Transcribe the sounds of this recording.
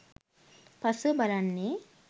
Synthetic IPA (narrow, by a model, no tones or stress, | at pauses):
pɐsɨbɐlanːe